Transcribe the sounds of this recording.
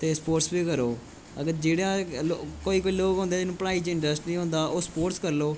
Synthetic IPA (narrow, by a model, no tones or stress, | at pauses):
t̪eːspoːʈsbiːkəɾoː | əɡəɾd͡ʒeːɽãːlokoːiːkoːiːloːkɦõnd̪eːd͡ʒɪnũːpəɽaːiːt͡ʃɪ̃ɳɖɾəsʈnĩːɦõːnd̪aːʔoːspoːʈskəɾloː